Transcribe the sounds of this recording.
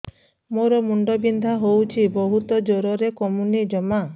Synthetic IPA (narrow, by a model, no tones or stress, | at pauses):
moɾɔmuɳɖɔbind̪ʱaɦowt͡ʃʰibɔɦut̪ɔd͡ʒoɾɔɾekɔmunid͡ʒɔma